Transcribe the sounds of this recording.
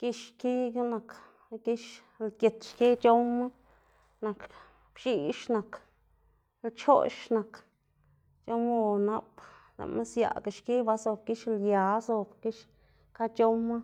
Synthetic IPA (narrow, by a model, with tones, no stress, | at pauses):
ki˦ʃki˦ɡa˦na˨k | ki˦ʃ | lkʲe˨t̪ʃki˦t͡ʃo˦ma˦ | na˨k | b̥ʃi˧ʃna˨k | lt͡ʃo̰˦ʃna˨k | t͡ʃo˦mo˦˧˨na˧pla̰˨ma˦sja̰˨ɡi˨ʃki˦ba˧so˨b̚ki˦ʃlja˨˦so˧bki˦ʃ | ka˦t͡ʃo˦mːa˦